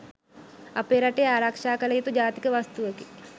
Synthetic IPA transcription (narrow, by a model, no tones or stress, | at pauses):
ɐpeːɾɐʈeaːɾɐkʂaːkɐlɐjit̪ud͡ʒaːt̪i̥kəʋɐst̪uʋeki